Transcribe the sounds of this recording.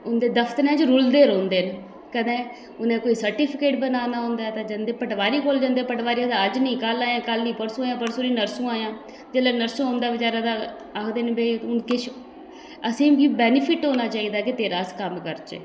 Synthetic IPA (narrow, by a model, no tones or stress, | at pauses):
ʊnd̪eːd̪əfʰt̪əɾɛ̃ːd͡ʒɾʊld̪eːɾõːnd̪eːn | kəd̪ẽː | ʊnẽːkoːiːsəɾʈipʰɪkeːʈbənaːnaːɦʊ̃ːnd̪aːt̪ãːd͡ʒənd̪eːpəʈʋaːɾiːkoːld͡ʒə̃nd̪eːpəʈʋaːɾiad̪aːəd͡ʒnəĩːkəlaːjãːkəlnĩːpəɾsũːaːjãːpəɾsuːɾiːnəɾsũːaːjãː | d͡ʒeːlɛːnəɾsũːɦõːnd̪aːbəd͡ʒaːɾaːd̪a | akʰd̪eːnbeːʊnkɪʃ | əsĩːbiːbɛːnɪpʰɪʈɦoːnaːt͡ʃaːiːd̪aːkɪt̪eːɾaːskəmkəɾt͡ʃḛː